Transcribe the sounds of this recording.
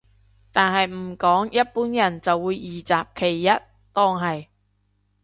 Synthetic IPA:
t̪aː˨nɦɐ˨jm̩˨˩kɔː˨˥ŋjɐ˥t̚puː˨˥njɐ˨˩nt͡sɐ˨wːuː˨˧jːiː˨˩t͡saː˨p̚kʰe˨˩jːɐ˥t̚ | t̪ɔː˥ŋɦɐ˨j

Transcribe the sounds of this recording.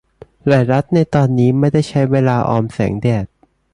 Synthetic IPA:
laː˨˩jɾa˦˥t̪̚na˧jt̪ɔː˧nːiː˦˥ma˥˩jda˥˩jt͡ɕʰa˦˥jweː˧laː˧ʔɔː˧msɛ̰ː˩˦ŋdɛː˨˩t̪̚

